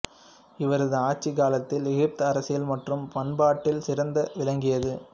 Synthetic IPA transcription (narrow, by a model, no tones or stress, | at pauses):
ɪʋɐɾɐðɯaːt͡ʃːɪkaːlɐt̪ːɪlɛɣɪp̚t̪ɯɐɾɐsɪjɐlmɐʈrɯmpɐnbaːʈːɪlsɪɾɐnd̪ɐʋɪlɐŋɡɪjɐðɯ